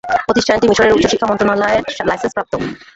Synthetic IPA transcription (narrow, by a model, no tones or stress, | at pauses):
pɾot̪iʃʈʰanʈimiʃoɽeɾut̪ːɕoʃikʰːamɔnt̪ɾonɔlaeɾlajsenspɾap̚t̪o